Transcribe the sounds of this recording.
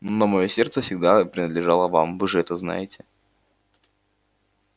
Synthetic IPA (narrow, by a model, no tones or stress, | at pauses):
nomɐjosʲe̞rt̪səfsʲɪɡd̪apɾʲɪnəd̪lʲɪʐalˠəva̰mvɨʐɨɛt̪əzna̰jɪtʲɪ